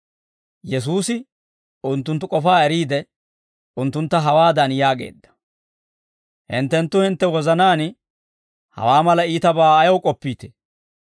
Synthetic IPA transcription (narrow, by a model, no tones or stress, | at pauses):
jɛs̬uːsɪ | ʊnt̪ːʊnt̪ːʊkʼɔfaːɛɾiːd̪ɛ | ʊnt̪ːʊnt̪ːɐɦɐwaːd̪ɐnjaːɡḛːd̪ːɐ̥ | hɪ̰nt̪ːɛnt̪ːʊhɪnt̪ːɛwɔzɐnaːn | hɐ̰waːmɐlɐiːt̪ɐbaːɐjɐwkʼɔpːiːt̪e̥